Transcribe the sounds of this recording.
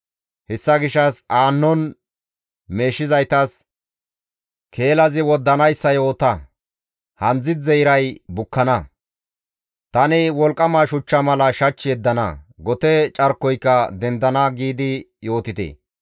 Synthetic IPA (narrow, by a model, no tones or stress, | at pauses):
hɛsːɐɡɪʃːɐsaːnːɔn | me̞ːʃːɪzɐjt̪ɐs | kʰe̞ːlɐzɪwɔd̪ːɐnɐjsːɐjo̞ːt̪ɐ | hɐnd͡zɪd̪zɛjɾɐjbʊkːɐnɐ | t̪ɐnɪwɔlkʼːɐmɐʃʊt͡ʃːɐmɐlɐʃɐt͡ʃːɪjɛd̪ːɐnɐ̰ɡɔt̪ɛt͡ʃʼɐɾkːɔjkːɐd̪ɛnd̪ɐnɐɡiːd̪ɪ | jo̞ːt̪ɪt̪ḛ